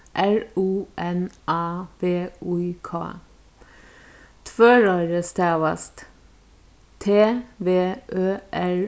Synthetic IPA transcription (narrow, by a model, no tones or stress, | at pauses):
ʔæɹuːʔɛnʔɑːʋeːʉːkʰɑ̰ː | t̪ʰʋøːɹɑːɾəst̪ʰeːʋɑ̰st̪ | t̪ʰeːʋeːʔøːʔæɹ